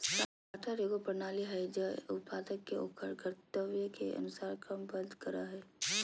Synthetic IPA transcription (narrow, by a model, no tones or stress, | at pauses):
sa | aʈʰaɾeɡopɾənaːliɦɛd͡ʒɐʊt̪̚paːd̪əkːeo̰ːkʰəɾkəɾt̪əʋjəkeʔɐ̰nʊsaːɾkɾəmbə̃nd̪kəɾa̰ɦɛː